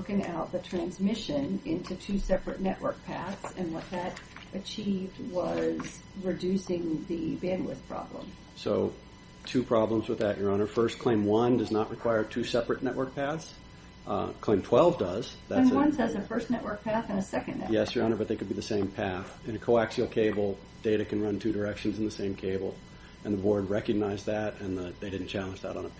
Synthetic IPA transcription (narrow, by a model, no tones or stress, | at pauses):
ʊkɪ̃ŋa̰ʊt̪̚ðɨtʰɹ̥æ̃nzmɪʃɨ̃nɪ̃ntʰʉtʰʉsɛpɹɨtⁿnɛʔwə˞k̚pʰæθsɨ̃nwʌt̪̚ðɨɾʔɨt͡ʃʰivd̚wʌz̥ | ɹɨdʉsɪ̃ŋðɨbæ̃nˡlɪ̰θpʰɹ̥ɑ̰b̥lə̰̃m | soʊ | tʰʉpʰɹ̥ɑblə̃mzwəðɨt͡ʃə˞ɑ̃nə˞fɜ˞skʰl̥ẽɪ̃mwʌ̃ndʌznəʔ̚ɹʔɨkʰw̥aɪə˞tʰʉsɛpɹɨtnɛʔwə˞k̚pʰæθs | kʰl̥ẽɪ̃mtʰw̥ɛlˠvdʌz̥ðæ̃wʌ̃nsɛzɨfɜ˞stnɛʔwə˞k̚pʰæθɨ̃nɨsɛkɨ̃njɛsjə˞ɑ̃nə˞bʌt̪̚ðeɪkɨd̚biðɨsẽɪ̃mpʰæθ | ɨ̃nɨkʰoʊæksil̩ˠkʰeɪbl̩ˠ | d̥eɪɾɨkʰɨ̃nɹʌ̃ntʰʉdə˞ɛkʃɨ̃n̩zn̩ðɨsẽɪ̃mkʰeɪbl̩ˠ | ʔɨ̃nðəbɔɹd̚ɹɛkɨɡ̚naɪzðɨɾɨ̃nðəðeɪɾɪdⁿn̩t͡ʃʰælˠə̃nd͡ʒðə̰ɾn̩ə